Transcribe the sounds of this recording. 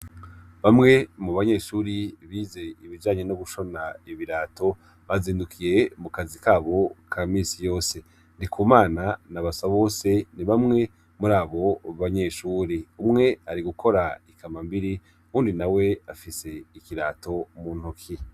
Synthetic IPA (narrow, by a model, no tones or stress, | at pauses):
βamŋe̞muβaɲe̞ʃuːɾiβize̞iβid͡ʒaːɲenoɡuʃo̞naiβiɾaːto̞ | βaziːndukʰije̞mukazikaːβo̞kʰaːmiːsijo̞ːse̞ | ndikʰuːmaːnanaβasaβo̞ːse̞niβamŋe̞ | muɾaːβo̞βaɲe̞ʃuːɾiumŋe̞aɾiɡukʰo̞ɾaikʰamambiɾi | uːndinawe̞afise̞ikiɾaːto̞muːn̥hokʰi